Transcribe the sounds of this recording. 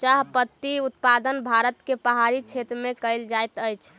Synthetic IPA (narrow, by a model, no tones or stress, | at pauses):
t͡ʃaɦpət̪ːiut̪pad̪ənbʱaɾət̪kepəɦaɾit͡ʃʰet̪ɾmẽkəɪld͡ʒajt̪əjt͡ʃʰ